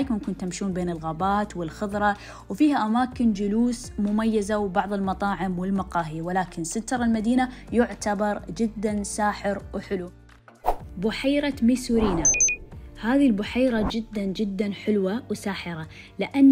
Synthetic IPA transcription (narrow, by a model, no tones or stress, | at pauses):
jkmankʊnt̪amʃuːnbeːnɪlɣaːbaːt̪wɪlxʊðˤɾˤɑ | wfiːhaʔamaːkɪnd͡ʒʊluːs | mʊmajːazawbɑʕðˤɪlmɑt̪ˤɑːʕɪmwɪlmɑqɑːɦiwɪlaːkɪnsɪt̪ːɑɾˤɑlmad̪iːnajʊʕt̪abɑɾˤd͡ʒɪd̪ːansaːħɪɾwħɪlu | bʊħajɾamisuːɾiːna | haːðilbʊħajɾad͡ʒɪd̪ːand͡ʒɪd̪ːanħɪlwawsaːħɪɾa | lɪʔanː